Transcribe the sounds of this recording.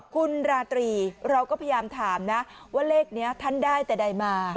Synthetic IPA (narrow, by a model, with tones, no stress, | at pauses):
kʰu˧nɾaː˧t̪ɾiː˧ɾa˧wkɔː˥˩pʰa˧jjaː˧mt̪ʰaː˩˦mna˦˥waː˥˩leː˥˩k̚ni˦˥ɐt̪ʰa˥˩ndaː˥˩jt̪ɛː˨˩da˧jmaː˧